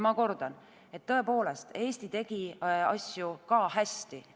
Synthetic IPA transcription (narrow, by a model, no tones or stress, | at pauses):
mɑko̞rd̪̥ɑn | e̞t̪ːɤ̞e̞po̞ːle̞st̪e̞ːst̪it̪e̞ɡ̥iɑ̰sʲjukɑːɦæst̪i